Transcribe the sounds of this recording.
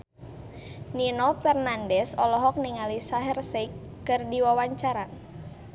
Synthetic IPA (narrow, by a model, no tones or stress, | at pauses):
ninɔfɛrnandɛsɔlɔɦɔk̚niŋalisaɦɛrsekːɨrdiwawaɲt͡ʃaɾa